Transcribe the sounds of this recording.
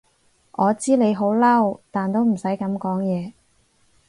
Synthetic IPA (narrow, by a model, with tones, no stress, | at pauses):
ʔɔː˨˧t͡siː˥le˨˧jɦo˨˥wlɐ˥wt̪aː˨nt̪o˥wm̩˨˩sɐ˨˥jkɐ˨˥mkɔː˨˥ŋjɛː˨˧